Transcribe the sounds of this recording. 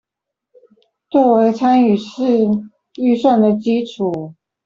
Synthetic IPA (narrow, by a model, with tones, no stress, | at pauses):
t͡swɔ˥˩we˧˥ɪt͡sʰa˥ny˨˩ʂɻ̩˥˧ | y˥˧swa˥˩nd̪ə˨t͡ɕi˥ʈ͡ʂʰu˨˩˦